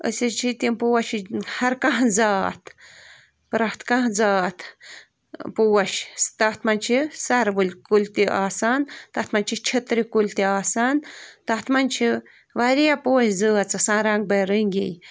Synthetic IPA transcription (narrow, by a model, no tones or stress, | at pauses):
ə̰sʲet͡ʃʰit̪impuwɐʃihɐɾkɐ̃ɦd͡zaːt̪ | pɾɐht̪kãɦd͡zaːt̪ | puːɐʃt̪ɐt̪mɐnʲt͡ʃʰisɐɾʋɨlʲkulʲt̪iʔaːsaːnt̪ɐht̪mɐnt͡ʃʰit͡ʃʰet̪ɾikulʲt̪iaːsaːnt̪ɐht̪mɐnʲt͡ʃʰi | ʋaɾijapuːɐʃʲd͡zəːɐt̪t͡sɐsãːɾaŋɡ̚bɐɾəŋɡʲḛj